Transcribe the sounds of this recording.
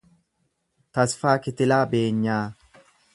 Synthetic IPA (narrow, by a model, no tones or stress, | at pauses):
t̪ɐsfaːkɪt̪ɪlaːbe̞ːɲːaː